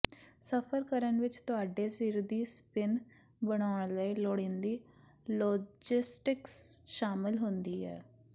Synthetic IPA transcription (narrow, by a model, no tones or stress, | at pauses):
səpʰəɾkəɾənʋɪt͡ʃt̪ʊaːɖeːsiːɾd̪iːspɪn | bəɽ̃aːʊɳ̃ləiːloːɽɪ̃ːnd̪iː | lɔːd͡ʒɪsʈɪksʃaːmɪlɦʊnd̪iːɛ̰ː